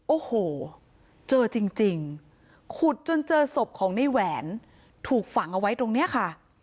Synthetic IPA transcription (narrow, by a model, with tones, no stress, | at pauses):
ʔoː˧˩hoː˨˩ | t͡ɕɤː˧t͡ɕi˧ŋt͡ɕi˧ŋ | kʰu˨˩t̪̚t͡ɕo˧nt͡ɕɤː˧so˨˩p̚kʰɔː˩˦ŋna˧jwɛː˩˦n | t̪ʰuː˨˩k̚fa˨˩˦ŋʔa˧wa˦˥jt̪o˧ŋni˦˥ɐkʰa˥˩